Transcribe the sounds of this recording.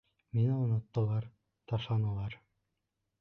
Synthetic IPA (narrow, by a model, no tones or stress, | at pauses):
minɘŏnɤ̆t̪ːɤ̆lˠɑɾ | t̪ɑʃlˠɑnɤ̆lˠɑɾ